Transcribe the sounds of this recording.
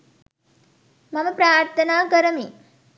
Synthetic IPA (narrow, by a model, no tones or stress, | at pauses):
mɐməpɾaːɾt̪ʰɐnaːkəɾəmi